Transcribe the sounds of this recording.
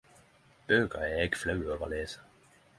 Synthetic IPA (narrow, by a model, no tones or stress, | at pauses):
b̥øːɡ̥ɐæɪɡ̥flɑʉɔːʋɐleːsə̥